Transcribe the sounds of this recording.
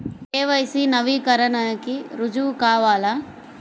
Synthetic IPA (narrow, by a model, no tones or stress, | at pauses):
eːʋɐjsinɐʋiːkɐɾɐnɐkiɾud͡ʒuːkaːʋaːla